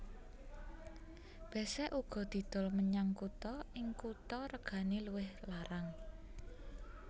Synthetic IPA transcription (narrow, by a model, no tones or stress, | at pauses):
b̥ɛ̤sɛʔuɡ̥ɔ̤d̪̥i̤d̪̥ɔ̤lməɲaŋkut̪ɔɪŋkut̪ɔɾəɡ̥a̤neluwɪhlaɾaŋ